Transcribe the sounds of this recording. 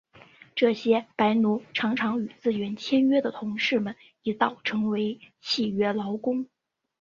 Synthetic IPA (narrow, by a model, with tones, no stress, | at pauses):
ʈ͡ʂɤ˥˩ɕjɛ˥pa˧˥ɪnu˧˥ʈ͡ʂʰɑ˧˥ŋʈ͡ʂʰɑ˧˥ŋy˨˩t͡sɹ̩˥˩ɥɛ˧˥nt͡ɕʰjɛ˥nɥɛ˥d̪ə˨t̪ʰʊ˧˥ŋʂɻ̩˥˩mə˨˩n | i˧˥t̪ɑ˥˩ʊʈ͡ʂʰɤ˧˥ŋwe˧˥ɪ | t͡ɕʰi˥˩ɥɛ˥lɑ˧˥ʊkʊ˥ŋ